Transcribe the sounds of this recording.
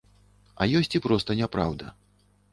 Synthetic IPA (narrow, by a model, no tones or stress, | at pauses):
ɐ̰jɔsʲt͡sʲipɾɔst̪ɐnʲɛpɾa̰wd̪ɐ